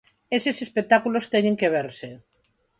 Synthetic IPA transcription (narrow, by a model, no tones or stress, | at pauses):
esesespek̚t̪akulost̪ɛɲẽŋkeβ̞eɾse